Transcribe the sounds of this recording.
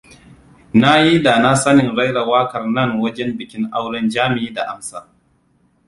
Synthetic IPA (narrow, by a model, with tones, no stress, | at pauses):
na˦ji˦da˨na˦sɐ˦nɪ˨ŋɽa˦jɽa˨waː˦kɐ˨rnɐ˦˨ŋwɐ˦d͡ʒɛ˦mbɪ˨kʲɪ˦ŋʔa˦wɽɐ˦nd͡ʒaː˦mɪ˨iː˦da˨ʔa˨msaː˦